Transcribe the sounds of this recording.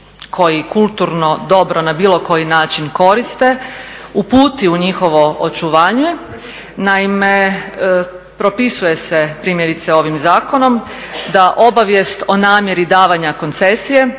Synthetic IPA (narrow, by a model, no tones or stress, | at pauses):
kʰo̞jikulˠt̪uɾno̞d̪o̞bɾo̞nabiːlo̞ko̞jinaːt͡ʃinko̞ɾist̪e̞upuːt̪iuɲixo̞ʋo̞ot͡ʃuʋaːɲe | naime | pɾo̞pisuje̞sepɾiːmje̞ɾit̪seo̞ʋimzaːkono̞m | d̪aʔo̞baʋjest̪o̞naːmje̞ɾid̪aːʋaɲako̞nt̪sesije̞